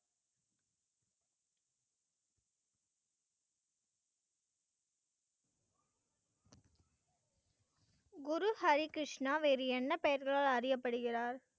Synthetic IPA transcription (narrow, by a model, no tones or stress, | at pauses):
ɡʊɾuhɐɾɪkɾɪʂnaːʋeːɾɯɛnːɐpɐjɐɾɣɐɭaːlɐɾɪjɐpːɐɽɯɣɪraːɾ